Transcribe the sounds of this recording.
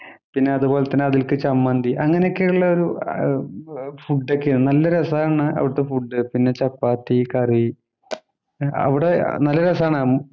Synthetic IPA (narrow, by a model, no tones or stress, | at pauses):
pinːe̞ɐðubo̞ːlet̪ːɐnːɨɐðilkɨt͡ɕɐmːɐnd̪iʔɐŋːɐnejokːejuɭːɐo̞ɾu | fuɖːekːenɐlːɐɾɐsɐaːɳɨɐ̰ʋiɽɨt̪ːefuɖːɨpinːe̞t͡ɕɐpːaːt̪ːikɐri | ɐ̰ʋiɽe̞̰nɐlːɐɾɐs̬aːɳamu